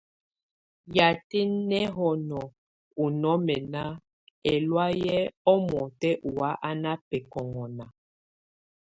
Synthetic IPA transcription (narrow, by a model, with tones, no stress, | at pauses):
ja˨te˦nɛ˦ɦɔ˨nɔ˨ | u˨nɔ˦mɛ˨na˦ | ɛ˨lwa˦jɛ˦ɔ˦mɔ˨tɛ˦ʔu˨wa˨˦ʔa˦na˦pɛ˨kɔ˨ŋɔ˨na˨